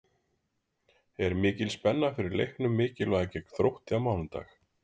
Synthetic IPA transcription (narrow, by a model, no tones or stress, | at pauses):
ɛɾmɪːcɪlspɛnːafɪɾɪɾlḛjhknʏmːɪːcɪlɔɛcɛkθɾowht̪ɪamaːwlʏnt̪a̰x